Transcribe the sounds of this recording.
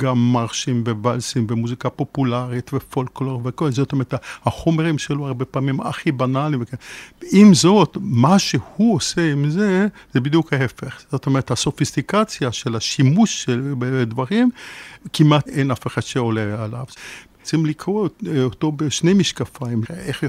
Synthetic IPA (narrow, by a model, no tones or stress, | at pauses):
ɡamːaʁʃimvevalsimvemuzikapopulaʁit̪vefolkloʁvekolezot̪omeʁet̪ahaχomeʁimʃeloaʁbepaːmima̰χibanalimvekeimzo̞t̪maʃehuoseimzezebid̪jukhaɦefeχz̥ot̪omeʁet̪haso̞fist̪ikat͡sjaʃelaʃimuʃʃelbed̪vaʁimkimat̪ejnafeχatʃeoleala̰v | t͡simlikʁoot̪o̞beʃne̞jmiʃkafaimeχ